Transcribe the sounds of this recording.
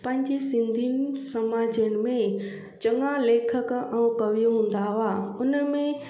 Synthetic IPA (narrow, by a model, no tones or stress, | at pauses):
pɐ̃ɦɪ̃ɲd͡ʑesɪ̃nd̪ʱiːnsɐmaːd͡ʑənɪ̆mẽ | t͡ɕɐ̃ŋaleːkʰəkɛ̃ũkɐʋijõɦũːn̆d̪aɦʊaʊnəmẽ